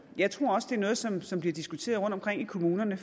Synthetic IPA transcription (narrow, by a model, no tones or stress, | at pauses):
jɑ̈ɪt͡sʰʁo̝ɐ̰ɒ̽səd̥e̝ænɔ̽ːð̞̩ˠsɒ̽msɒ̽mb̥liɐd̥isɡ̥ut͡sʰe̝̰ːɐð̞ˠʁɔ̽nd̥ɒmkʰʁeŋ̰ikʰo̝muːnɐnə